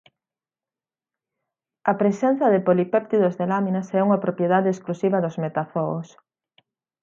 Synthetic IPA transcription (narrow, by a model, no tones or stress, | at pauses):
ɐpɾesɛn̟θɐðepolipɛp̚t̪iðozðelaminɐsɛuŋɐpɾopjeðaðeesklusiβɐðʊzmet̪aθɔos